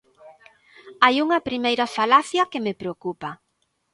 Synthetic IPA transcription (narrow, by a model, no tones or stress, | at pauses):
ajuŋɐpɾimejɾɐfalaθjɐkemepɾeokupɐ